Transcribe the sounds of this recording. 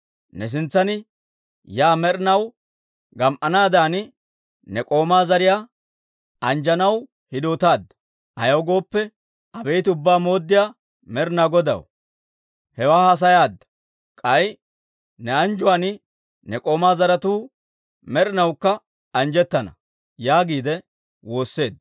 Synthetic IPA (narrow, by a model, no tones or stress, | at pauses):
nɛs̬ɪnt͡sːɐnɪ | jaːmɛɾɪnɐw | ɡɐmʔɐnaːd̪aːnɪ | nɛkʼo̞ːmaːzɐɾɪjaː | ɐnd͡ʒɐnɐw | hɪd̪oːt̪aːd̪ːɐ̥ | ʔɐ̰jɐwɡo̞ːpːɛ | ʔɐbejt̪ɪʊbːaːmo̞ːd̪ːɪjaː | mɛɾɪnaːɡɔd̪ɐ̰w | hɛwaːhɐs̬ɐjaːd̪ːɐ̥ | kʼɐj | nɛɐnd͡ʒʊwaːnɪ | nɛkʼo̞ːmaːzɐɾɐt̪uː | mɛɾɪnɐwkːɐ | ɐnd͡ʒɛt̪ːɐnɐ̰ | jaːɡiːd̪ɛ | wo̞ːsːe̞ːd̪